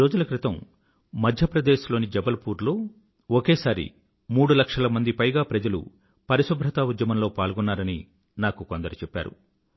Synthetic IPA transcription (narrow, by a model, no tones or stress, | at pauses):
iɾo̞ːd͡ʒulɐkɾit̪ɐmː | ɐd̪ʱjɐpɾɐd̪eːʃlo̞ːnid͡ʒɐbɐlpuːɾloː | okeːsaːɾḭ | muːɽulɐkʂɐlɐmɐnd̪ipɐjɡaːpɾɐd͡ʒɐlṵ | pɐɾisɐbʱɾɐt̪aːʋud̪jɐmɐmlo̞ːpaːɭɡɔnːaːɾɐni | naːkukond̪ɐɾut͡ʃɛpːa̰ːɾṵ